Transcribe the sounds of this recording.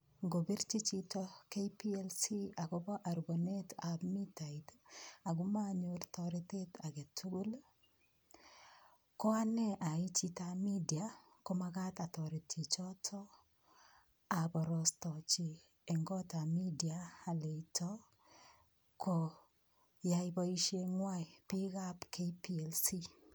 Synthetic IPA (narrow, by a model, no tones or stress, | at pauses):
ŋɡobiɾt͡ʃit͡ʃitɔkepielsiaɡobɔʔaɾbonetabmitaitaɡumaɲʊrtɔɾitetaɡetʰuɡul | kɔanɛʔait͡ʃitamidia | komakatatɔɾetʰːit͡ʃɔtʰɔ | abɔɾɔstɔt͡ʃi | ɛŋɡɔtamidiaːletʰɔ | kʰo | jaibɔiʃeŋwajpikapkʰepielsi